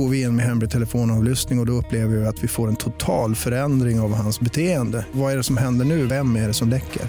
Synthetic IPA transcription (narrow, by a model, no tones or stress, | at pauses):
oːɾvɪɪnmɛɦɛmɾɪt̪ʰɛləfoːnɑːvlʏst̪nɪŋɔd̪ɔɵpːleːvəɾɪɪat̪vɪfoːɾɛnt̪ʰʊt̪ʰɑːlfœɾɛnd̪ɾɪŋavɦansbɛt̪ʰeːənd̪əvaæɖɛsɔmɦɛnd̪əɳʉ̟ːvɛmːæɖɛsɔmlɛkʰːə̰ɾ